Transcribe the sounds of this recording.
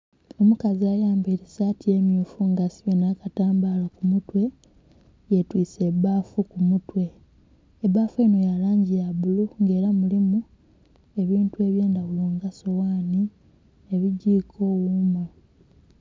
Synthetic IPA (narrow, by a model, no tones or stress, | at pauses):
o̞mukaziajaːmbeɾisatie̞mjuːfuŋɡasi̥βenakataːmbalakumutwe̞ | jetwiːse̞baːfukumutwe̞ː | βaːfue̞ːno̞jalaːɲɟijaβuluŋɡe̞ːɾamulimu | e̞βiːntue̞ːβje̞ːndaβuluŋɡaso̞waːni | eβiɟiːkʰo̞ːwumwe